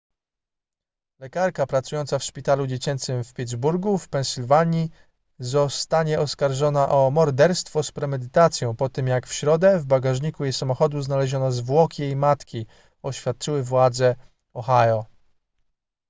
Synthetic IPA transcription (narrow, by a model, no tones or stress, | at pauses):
lɛkaɾkapɾat̪sujɔnt̪safʂpʲit̪alud͡ʑet͡ɕɛnt̪sɘmfpʲid̪zbuɾɡufpɛnsʲilvaɲi | zɔst̪aɲɛʔɔskaɾʐɔnaʔɔmɔɾd̪ɛɾst̪fɔspɾɛmɛd̪ɘt̪at̪sʲjɔ̃w̃pɔt̪ɘmjakfɕɾɔd̪ɛvbaɡaʐɲikujesamɔxɔd̪uznalɛʑɔnɔzvwɔkʲijejmat̪kʲi | ɔɕfʲjat̪̚t͡ʂɘwɘvwad̪zɛ | ɔxajɔ